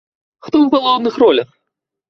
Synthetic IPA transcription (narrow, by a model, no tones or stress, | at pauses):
xt̪ɔpɐlˠaw̪nɨxrɔlʲɐx